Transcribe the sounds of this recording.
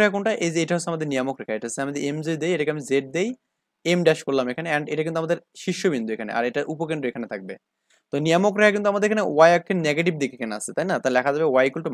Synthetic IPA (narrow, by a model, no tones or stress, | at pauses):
ekʰakonʈaʔed͡ʑejʈaɦosʰeamad̪eɾnijamokɾekʰaeʈaɦosʰeamid̪eɾemzed̪ejeʈakeamizeʈ̚d̪ej | emɖɛʃkoɾlamekʰaneɛɳɖejʈakint̪uamad̪eɾʃiʃːobind̪uekʰanḛʔa̰ɾejʈaʔupokeɳɖɾoekʰanet̪ʰak̚be | t̪onijamokɾekʰak̬int̪uamad̪eɾekʰanewajakːeneɡeʈib̚d̪ikekʰanea̰sʰet̪ajnat̪alɛkʰad͡ʑabewajkulʈo